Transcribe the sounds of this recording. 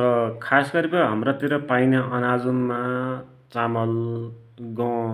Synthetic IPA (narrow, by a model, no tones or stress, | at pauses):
rʌkʰasɡʌɾibʌɦʌmrʌt̪iɾʌpajnaʔʌnad͡zunma | t͡samʌl | ɡʌ